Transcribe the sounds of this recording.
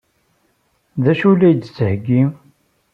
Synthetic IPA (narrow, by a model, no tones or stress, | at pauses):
ðæʃulæjd̪t͡sːəhəɡːi